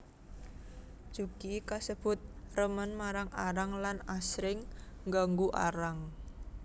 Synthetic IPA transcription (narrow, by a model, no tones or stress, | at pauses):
ʒ̥uɡ̥ikasəb̥ʊ̤t̪̚rəmənmaɾaŋʔaɾaŋlanasɾɪŋŋɡaŋɡuʔa̰ɾaŋ